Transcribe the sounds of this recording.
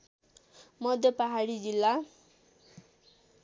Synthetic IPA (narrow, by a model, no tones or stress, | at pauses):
mʌd̪ʱjʌpaɦaɽid͡zilːa